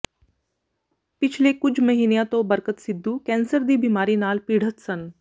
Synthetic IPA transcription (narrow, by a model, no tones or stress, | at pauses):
pɪt͡ʃʰlekʊt͡ʃʰmɐɦiːnejãt̪õbəɾkət̪sɪd̪ʱːukɛ̃ːnsəɾd̪ibiːmaːɾinaːlpiːɽ̤ət̪sən